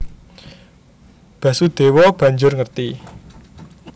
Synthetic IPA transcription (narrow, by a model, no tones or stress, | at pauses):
b̥ä̤sud̪̥e̤wɔb̥ä̤ɲd͡ʒʊrŋərt̪i